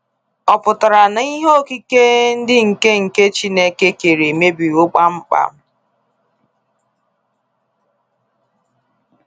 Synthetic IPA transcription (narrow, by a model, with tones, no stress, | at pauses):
ɔ˨pʊ˨tʊ˨ɾa˨na˨˦i˦ɦo˦˨ki˦ke˦n̩˦dɪ˦ŋ̩˨ke˦ŋ̩˨ke˦t͡ʃi˦ne˦ke˦ke˨ɾe˨me˦bi˨ʊ˦k͡pa˦ŋ͡m̩˦k͡pa̰˦˨m̩˦